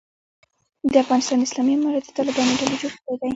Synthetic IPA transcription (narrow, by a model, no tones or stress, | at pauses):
d̪əafɣɑnɪst̪ɑnd̪ɪslɑmiamɑɾad̪ə̥t̪ɑlɪbɑnoɖaled͡ʒoɽkəɽed̪aj